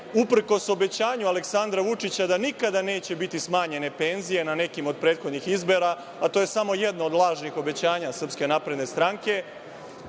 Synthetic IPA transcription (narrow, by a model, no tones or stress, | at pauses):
upr̩ko̞so̞be̞t͡ɕaːɲualeksand̪ɾaʋut͡ʂit͡ɕad̪anikad̪ane̞ːt͡ɕe̞bit̪ismaːɲe̞ne̞pe̞nzije̞nane̞kimo̞d̪̚pɾe̞ːd̪xo̞d̪nixizbo̞ɾa | at̪o̞je̞samo̞je̞d̪noːd̪lˠaːʒnixo̞be̞t͡ɕaːɲasr̩pske̞naːpɾe̞d̪ne̞st̪ɾaŋke̞